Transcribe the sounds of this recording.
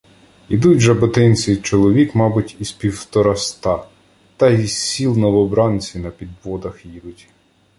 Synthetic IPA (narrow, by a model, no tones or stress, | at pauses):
id̪utʲʒɐbɔt̪ɪnʲt͡sʲit͡ʃɔlˠɔʋʲikmɑbʊtʲispʲiwt̪ɔɾɐst̪ɑ | t̪ɐisʲilˠnɔʋɔbɾɑnʲt͡sʲinɐpʲid̪ʋɔd̪ɐxjid̪ʊtʲ